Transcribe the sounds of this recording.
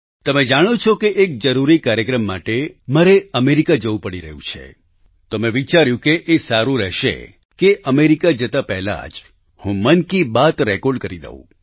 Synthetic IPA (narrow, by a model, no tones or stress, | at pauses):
t̪əmed͡ʒaɽ̃ot͡ʃʰɔkeʔek̚d͡ʒəɾuɾikaɾjəkɾəmːaʈemaɾeəmeɾikad͡ʒəʋũpəɽiɾə̰ɦjṵ̃t͡ʃʰḛ | t̪omẽʋit͡ʃaɾjũkeʔːsaɾũɾɛʃḛ | keʔəmeɾikad͡ʒət̪apɛɦla̰d͡ʒ | hũmənkibat̪ɾɛkɔɾɖkəɾid̪ə̰ṵ̃